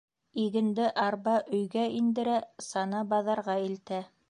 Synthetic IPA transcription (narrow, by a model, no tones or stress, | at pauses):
iɡɘ̆nd̪ɘʔɑɾbɑʔɵ̆jɡæind̪ɘ̆ɾæsɑnɑbɑðɑɾʁɑilt̪æ